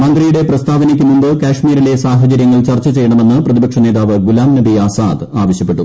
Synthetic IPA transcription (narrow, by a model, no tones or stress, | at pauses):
mɐnd̪rijuɽe̞prɐst̪ʰaːbɐnikʲːumːumbɨkaːʂmiːɾile̞saːɦɐt͡ɕɐɾjɐŋːɐɭt͡ɕɐrt͡ɕːɐt͡ɕe̞jɐɳɐme̞nːɨprɐðibɐkʂɐne̞ːd̪aːʋɨɡulaːmnɐbiaːsa̰ːd̪aːʋɐɕjɐpːe̞ʈːu